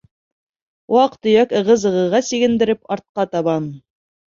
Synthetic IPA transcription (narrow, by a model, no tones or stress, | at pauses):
wɑqt̪ɵ̆jækɤ̆ʁɤzɤ̆ʁɤ̆ʁɑsiɡɘ̆nd̪ɘ̆ɾɘpɑɾt̪̚qɑt̪ɑβɑn